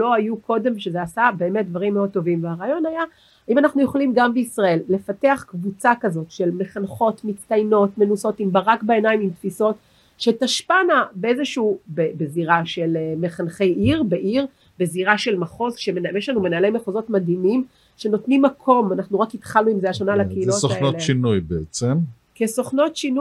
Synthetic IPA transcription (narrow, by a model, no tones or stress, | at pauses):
lo̞ajuko̞de̞mʃezeasabe̞ːmet̚d̪vaʁimːeo̞d̪̚t̪o̞vimveaʁaːjo̞naja | aimanaχnujoχlimɡambeisʁae̞lːe̞fateaχkvut͡sakazo̞tʃe̞lme̞χanχo̞tmit͡st̪ajno̞tme̞nuso̞timbaʁakbaenaimimtfiso̞t | ʃetaʃpanabeezeʃuuːbebeziʁaʃe̞leme̞χanχe̞jʔiʁbe̞ʔiʁ | be̞ziʁaʃe̞lmaχo̞zʃeejeʃlanume̞naːlemeχozo̞tmad̪imim | ʃe̞no̞tnimːakʰo̞manaχnuʁakitχaluimzeaʃanalakeilosonoʃinujbeet͡sem | kesoχno̞tʃinu